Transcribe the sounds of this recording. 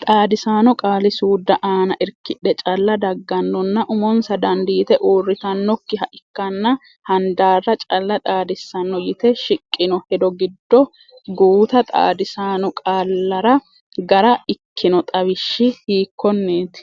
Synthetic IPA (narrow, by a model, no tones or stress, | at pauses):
t̪ʼaːd̪ɪsaːnɔkʼaːlɪsuːd̪ːɐʔaːnɐʔɪɾkːɪᶑɛt͡ʃʼɐlːɐd̪ɐɡːɐnːɔnːɐʔʊmɔnsɐd̪ɐnd̪iːt̪ɛʔoːrːɪt̪ɐnːɔkːɪɦɐʔɪkːɐnːɐ | hɐnd̪aːrːɐt͡ʃʼɐlːɐt̪ʼaːd̪ɪsːɐnːɔjɪt̪ɛʃɪkʼːɪnɔhɛd̪ɔɡɪd̪ːɔ | ɡuːt̪ɐt̪ʼa̰ːd̪ɪsaːnɔkʼaːlːɐɾɐ | ɡɐɾɐɪkʰːɪnɔt̪ʼɐβɪʃːɪhiːkːɔnːeːt̪